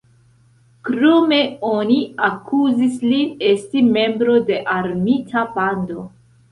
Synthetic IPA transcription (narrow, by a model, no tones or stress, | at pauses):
kɾome̞o̞niakʰuzislie̞stime̞mbɾo̞de̞ʔaɾmitʰapando̞